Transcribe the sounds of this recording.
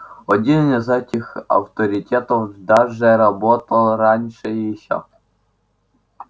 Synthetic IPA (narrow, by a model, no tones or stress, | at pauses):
ɔdʲinʲnʲɐzɐtʲixɐ̰wt̪ɔɾʲitʲɛt̪ɔwd̪ɑʒɛɾɐbɔt̪ɐlˠɾɑnʲʃɛjiʃɔ̰